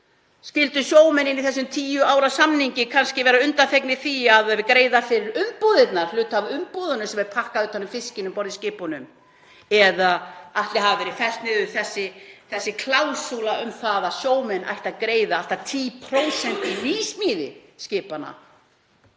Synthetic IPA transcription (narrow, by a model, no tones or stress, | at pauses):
scɪlt̪ʏsjoːwmɛnːɪnːiθɛsːʏmt̪ʰiːjʏaːwɾasamniɲcɪkʰanscɪvɛːɾaʏnt̪anθejknɪθiaðkɾeːjðafɪɾɪɾʏmpɔðɪt̪naɾ̥lʏːt̪avʏmpɔðʏnʏsɛmɛɾpʰahkaðʏːt̪ʰanːʏmfɪscɪnʏmpɔɾðɪscɪːpɔnʏm | ɛðaaht̪lɪɦavavɛɾɪfɛl̥t̪nɪðʏθɛsːɪθɛsːɪkʰlaːwsulaʏmθaðaðsjoːwmɛnʔa̰jht̪aðkɾeːjðaal̥t̪at̪ʰiːpʰɾowsɛnt̪ɪviːsmiːðɪ̰scɪːpana̰